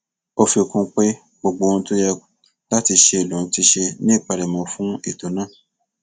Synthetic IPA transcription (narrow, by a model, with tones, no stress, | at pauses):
o˧fi˧o˨kũ˧˦k͡pe˦ | ɡ͡bo˧ɡ͡bo˧˦˧n̩˦to˦jɛ˧ | la˦ti˧ʃe˧i˨lũ˨˧˦ti˧ʃe˧nĩ˦˨pa˧ɾɛ˨mɔ̃˨˧fũ˦i˦˨to˨˦nã˦˨